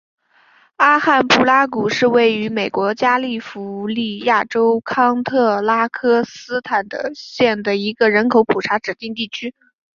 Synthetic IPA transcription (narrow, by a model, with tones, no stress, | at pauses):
a˥xa˥˧npu˥˩la˥ku˨˩ʂɻ̩˥˧we˥˩ɪy˧˥me˨˩ɪkwɔ˧˥t͡ɕja˥li˥˩fu˧˥li˥˧ja˥˩ʈ͡ʂo˥ʊkʰɑ˥ŋt̪ʰɤ˥˩la˥kʰɤ˥sɹ̩˥t̪ʰa˨˩nd̪ə̰˦ɕjɛ˥˩nd̪ə˩i˧˥ɡə˧ɻə˧˥nkʰo˧˥ʊpʰu˨˩ʈ͡ʂʰa˧˥ʈ͡ʂɻ̩˨˩t̪i˥˧ŋt̪i˥˩t͡ɕʰy˥